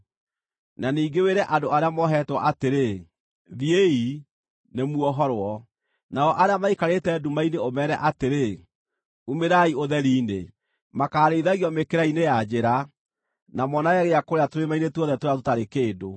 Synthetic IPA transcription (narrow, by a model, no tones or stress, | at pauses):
naniːŋɡeweɾɛʔadoaɾeamɔɦɛtwa̰ʔateɾe | ðiei | nemuɔɦɔɾwɔ | naɔʔaɾeamaikaɾetɛːdumaineomɛɾɛ̰ʔateɾe | umeɾaioðɛɾiːne | makaːɾeiðaɣiɔmekeɾainejad͡ʑeɾa | namɔnaɣaɣeakoɾeatoɾemainetwɔðɛtoɾatotaɾekeːdo